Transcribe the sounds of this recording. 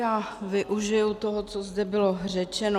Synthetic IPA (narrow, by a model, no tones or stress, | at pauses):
aːvɪʔuʒɪjut̪oɦot͡sozdɛbɪlorɛt͡ʃɛno